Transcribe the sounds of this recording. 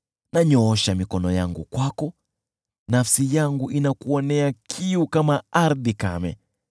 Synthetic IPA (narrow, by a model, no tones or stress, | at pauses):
naɲɔɔʃamikɔnɔjaŋɡṵkwakɔ | nafsijaŋɡuʔinakuɔnɛakʰiukamaaɾðika̰mɛ̰